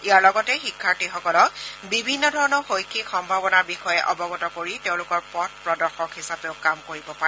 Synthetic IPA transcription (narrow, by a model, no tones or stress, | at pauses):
iaɹlɔɡɔtɛxikʰːaɹtixɔkɔlɔkbibʱinːɔdʱɔɹɔnɔxojkʰixɔmbʱabɔnaɹbixɔjɛʔɔbɔɡɔtɔkoɹiteʊ̃lʊkɔɹpɔtpɹɔdɔɹxɔkhisapeʊkamkoɹibɔpaɹ